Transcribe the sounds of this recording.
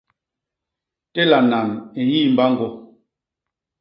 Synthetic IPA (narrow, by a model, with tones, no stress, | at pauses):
te˦la˨na˨ne˨jiː˦˨m̩˨ba˦ŋ̩˦ɡɔ˨